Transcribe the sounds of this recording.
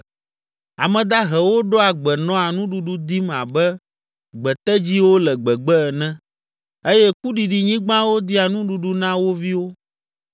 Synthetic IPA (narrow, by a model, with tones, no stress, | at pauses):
a˨mɛ̃˨d̪a˦ɦɛ˨wo˦ɖɔ˦a˨ɡ͡bɛ˨nɔ̃˦a˨nũ˦ɖu˨ɖu˦d̪i˦mã̰˨bɛ˦ | ɡ͡bɛ˨t̪ɛ˦d͡ʑi˦wo˦lɛ˨ɡ͡bɛ˨ɡ͡bɛ˦ɛ˨nɛ̃˦ | e˦jɛ˦k̚u˦ɖi˨ɖi˨ɲĩ˦ɡ͡bã˦wo˦d̪i˦a˨nũ˦ɖu˨ɖu˦nã˦wo˦vi˦wo˦